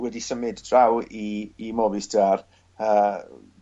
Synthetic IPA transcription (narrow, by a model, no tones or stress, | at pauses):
wɛdisəmɪdd̥rawiːmɔvɨsd̥ar | əː